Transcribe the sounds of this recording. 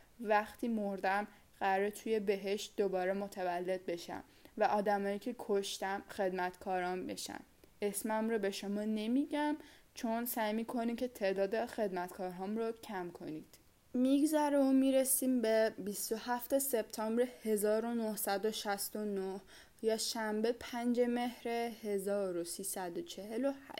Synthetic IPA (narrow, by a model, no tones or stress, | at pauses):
væxt̪ʰiːmoɾd̪æm | ɢæɾɾet̪ʰuje̞be̞ɦe̞ʃt̪̚d̪obɒːɾemo̞t̪ʰævælːe̞d̪̚be̞ʃæ̰m | væʔɒːd̪æmɒːiːcʰe̞kʰoʃt̪æmxe̞d̪mæt̪kʰɒːɾɒnbe̞̰ʃæ̰n | esmæmɾobe̞ʃo̞mɒːne̞miɟæm | t͡ʃʰonsæjmiːkʰo̞niːcʰe̞t̪ʰe̞ʔd̪ɒːd̪exe̞d̪mæt̪kʰɒːɾɦɒːmrocʰæmkʰo̞niːd̪̥ | miɡzæɾeomiːɾesiːmbebist̪o̞hæft̪ʰe̞se̞b̥̚t̪ʰɒːmbɾehe̞zɒːɾonohsæd̪oʃæst̪o̞noh | jɒːʃæmbe̞pʰænd͡ʒe̞me̞hɾehezɒːɾosiːsæd̪ot͡ʃʰe̞ɦelohæ̰ʃ